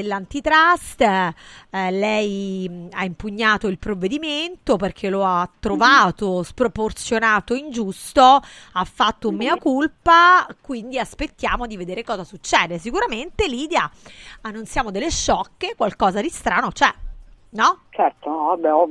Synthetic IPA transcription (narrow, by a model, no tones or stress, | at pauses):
elːant̪it̪ɾast̪ | lɛjaimpuɲːaːt̪oilpɾovːed̪iment̪operk̟ʰeloat̪ːɾovaːt̪ospɾoport̪sjonaːt̪oind͡ʒust̪o | afːat̪ːoumːiːakulpakwind̪iaspet̪ːjaːmod̪ived̪eːɾekɔːzasut͡ʃːɛːd̪esikuɾament̪eliːd̪jaanːunt̪sjaːmod̪elːeʃːɔkːekwalkɔːzad̪ist̪ɾaːnot͡ʃɛnɔt͡ʃɛrt̪oabɛɔ